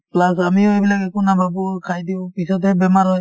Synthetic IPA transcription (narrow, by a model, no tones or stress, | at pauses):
plasamiɔjbilakɛkunababukʰajdiwpisɔt̪ɛbɛmaɾɔj